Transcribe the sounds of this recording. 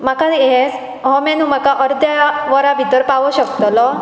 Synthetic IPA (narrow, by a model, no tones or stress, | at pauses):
makad̪es | ɦɔmɛ̃nũm̤akaʔəɾd̪jaʋəɾabʱid̪əɾpaʋɔɕəkt̪lɔ